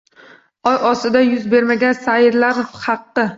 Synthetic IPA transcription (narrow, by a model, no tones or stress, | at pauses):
ɒjʔɒsɪd̪ajʊzbe̞ɾmaɡʲansaɪɾlaɾhɑqːɨ